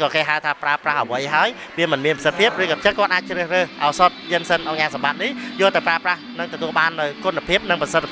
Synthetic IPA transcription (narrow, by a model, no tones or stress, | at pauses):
kɑːkeːɦaəwt̪ʰaːpraəprahʔəʋəjɦaəj | ʋiəmɨnmiənpʰəsət̪̚pʰiəp̚rɨːkɑːt͡ɕəkŏət̪ʔaːc̚t͡ɕrəːhrəːhʔaɔsot̪̚jɨənsənʔaɲaːsamɓat̪̚nihjoəlt̪ɨwpraəprahnɨŋt̪ɔt̪uəlɓaːnːɨwkunːapʰiəp̚nɨŋprɑsət̪ʰː